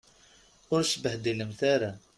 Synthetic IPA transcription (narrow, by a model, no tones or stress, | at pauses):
ʊɾʃəbəhd̪iləmθaɾa